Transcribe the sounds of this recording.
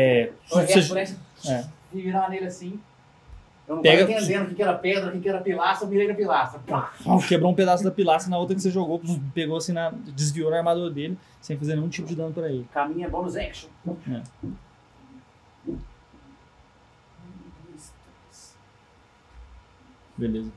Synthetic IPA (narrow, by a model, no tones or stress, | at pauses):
ɛseɾɛsɪɛvivid̪ɐmanejɾɐsĩ | ewnũpɛ̃ɡɐ̃ẽẽd̪ẽd̪ʊkɪkɛɾɐped̪ɾɐkekɪɛɾɐpilasmiɾejnɐpilast̪ɾɐpakebɾoũped̪asʊd̪ɐpilasɐnɐot̪ɾɐkɪ̥seʒoɡopeɡoasĩnɐd͡ʒɪzvioɾaɾmad̪oɾd̪elɪ | sẽfazeɾnẽũt͡ʃipʊd͡ʒɪd̪ɐ̃nʊpɐɾɐelɪkamĩɲɛbõnʊzɛkʃõɛ̰ | ist̪ | s | belezɐ